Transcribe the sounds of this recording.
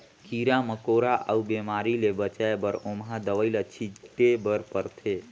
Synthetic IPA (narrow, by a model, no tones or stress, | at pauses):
kiɾaməkoɾaʔə̰ubemaɾilebət͡ʃaebəɾomɦãd̪əʋəɪlət͡ʃʰiʈebəɾpəɾt̪ʰe